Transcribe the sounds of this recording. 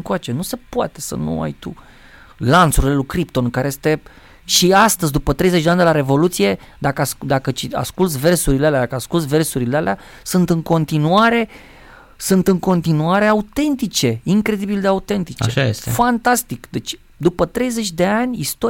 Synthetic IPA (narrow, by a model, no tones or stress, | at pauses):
ŋkoat͡ʃe̞nuse̞poa̰t̪e̞sə̰nṵa̰jt̪ṵ | lant̪suɾilelukɾip̚t̪o̞nkaɾejest̪e̞ | ʃiast̪əzʲd̪upət̪ɾe̞jzet͡ʃʲd̪eanʲd̪elaɾe̞vo̞lut̪sije̞ | d̪akəsd̪akət͡ʃia̰skult̪sʲve̞rsuɾilealed̪akəaskult̪s̬ʲve̞rsuɾilealea | sɨnt̪ɨŋko̞nt̪inuaɾe̞ | sɨnt̪ɨŋko̞nt̪inuaɾe̞aut̪e̞nt̪it͡ʃe̞iŋkɾe̞d̪ibild̪eaut̪e̞nt̪it͡ʃeʃa̰est̪fant̪ast̪ikd̪e̞t͡ʃʲ | d̪upət̪ɾe̞jze̞t͡ʃʲd̪e̞anʲist̪o